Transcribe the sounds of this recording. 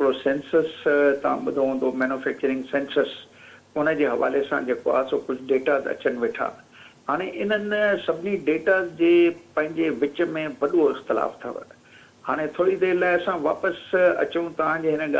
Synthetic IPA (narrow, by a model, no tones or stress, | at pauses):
kɾosẽːnsəst̪ɐʋ̤ã̰ɓʊd̪ʱoɦũːnd̪omeːnʊfɛːk̚t͡ɕəɾɪ̃ŋɡsẽːnsəs | ʊnə̆d͡ʑeːɦɐʋa̰ːlesã̰d͡ʑeːkoa̰ːɦsoːkʊd͡ʑʱʊɗeːʈazɐ̰t͡ɕəñɪ̆ʋɪʈʰa̰ː | ɦaːɽ̃eʔɪn̤ənsɐbʱɪniɖeːʈaːzd͡ʑeːpɐ̃ɦɪ̃ɲd͡ʑeʋɪt͡ɕəmẽʋɐɗoɪxt̪ɪla̰ːft̪ʰɐ̰ʋə̰ | ha̰ːɽ̃ẽt̪ʰoːɽid̪eːɾlaːɪɐsãʋa̰ːpəsɐ̰t͡ɕjũt̪ɐʋ̤ãd͡ʑeːɦɪnəɠa